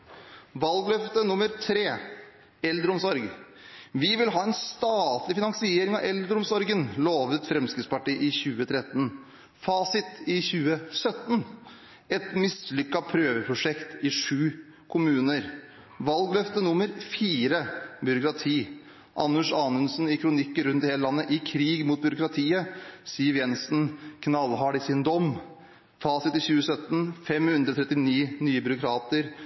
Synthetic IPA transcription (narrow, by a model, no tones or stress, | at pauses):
ʋɑlɡlœft̪ənʊmːəɾt̪ʰɾeː | ɛld̪ɾəɔmsɔɾɡ | ʋɪʋɪlɦɑːɛnst̪ɑːt̪lɪfɪnɑŋsɪeːɾɪŋɑʋɛld̪ɾʊmsɔɾɡənloːʋət̪fɾɛmskɾɪt̪spɑʈiːʔɪçʉːət̪ʰɾɛt̪ːn | fɑːsɪt̪ɪçʉːəsœt̪n | ɛt̪mɪslʏkːɑpʰɾøːʋəpʰɾʊʂɛkt̪ɪʂʉː | kʰʊmʉːnəɾ | ʋɑlɡlœft̪ənʊmːəɾfiːɾəbʏɾʊkɾɑt̪ʰiː | ʔɑ̰nːʉʂɑːnʉnsn̩ɪkʰɾʊnɪkːəɾʉnt̪heːləlɑnːəʔɪkʰɾiːɡmuːt̪̚bʏɾʊkɾɑt̪ʰiːəsiːəɾjɛnsnkʰnɑlɦɑɖɪsɪnd̪ɔm | fɑːsɪt̪ɪçʉːəsœt̪ːn̩fɛmhʉnd̪ɾɔt̪ʰɾɛt̪ːɪniːnyːəbʏɾʊkʰɾɑːt̪əɾ